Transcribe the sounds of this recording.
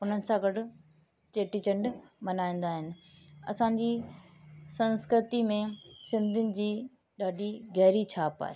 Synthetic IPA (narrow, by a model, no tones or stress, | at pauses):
ʊn̤ənɪ̆sãɡɐɖʊ̆ | t͡ɕeːʈit͡ɕɐ̃ɳɖmɐnaːĩːn̆d̪aːɦɪnɪ̆ | ɐ̰sãɲd͡ʑiː | sɐ̃nskɾɪt̪imẽsɪ̃nd̪ʱɪnɪ̆d͡ʑiː | ɗaːɖʱiɣɛɦɾit͡ɕʰaːpa̰ːɦe